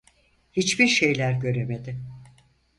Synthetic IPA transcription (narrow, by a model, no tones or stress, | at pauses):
hit͡ʃbiɾʃejlʲæɾɟø̞ɾe̞med̪ɪ